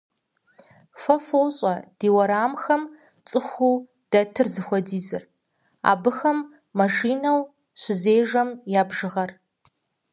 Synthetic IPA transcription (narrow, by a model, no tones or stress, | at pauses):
fɐfoːɕʼɐd̥eːwɐɾaːmxɐm | t͡sʼɨxʷuː | d̥ɐtʰɨrzɨxʷɔdiːzɨr | a̰ːbɨxɐmː | ɐʂiːnɐw | ɕʷɪzeːʒɐmjaːbʒɨʁɐr